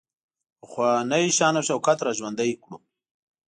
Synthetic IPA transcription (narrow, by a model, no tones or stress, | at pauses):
xwanaiɕaːnawɕawkat̪ɾaʒwand̪ajkɽu